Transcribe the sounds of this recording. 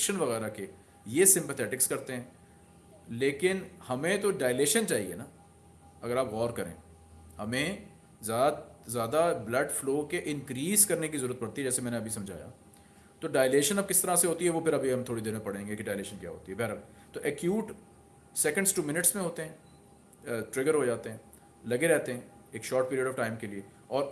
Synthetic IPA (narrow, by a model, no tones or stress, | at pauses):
ʃənʋɐɣɛːɾake | jesɪ̃mpət̪ʰɛːʈɪkskɐɾt̪eɦɛ̃ː | leːkɪnhɐmẽt̪oɖaːɪleːʃənt͡ʃaːɦḭḛnaː | ɐɡəɾaːpɣɔːɾkɐɾḛ̃ː | hɐmẽ | zaːzjaːd̪ablɐɖfloːkeʔɪ̃nkɾiːzkɐɾnek̬izɐɾuːɾət̪pɐɽt̪iɦɛd͡ʒɛːsemɛ̃ːneɐbʱisɐ̃md͡ʒʱa̰ːja̰ː | t̪oɖaːjleːʃənɐb̚kɪst̪ɐɾaseɦoːt̪iɦɛʋopʰɪɾɐbʱiɦɐmt̪ʰoːɽid̪eːnmẽpɐɽ̤ẽːŋɡekiɖaːɪleːʃənkja̰ːɦo̰ːt̪iɦɛbɛːɾɐb̚ | t̪oːʔɛkjuːʈ | sɛkə̃ɳɖsʈuːmɪnɪʈsmẽɦoːt̪eɦɛ̃ː | ʈɾɪɡəɾɦod͡ʒaːt̪eɦɛ̃ː | lɐɡeɾɛɦt̪eɦɛ̃ː | eːkʃɔːɾʈ̚piːɾijəɖɔːʋfʈaːɪmkelie | ɔːɾ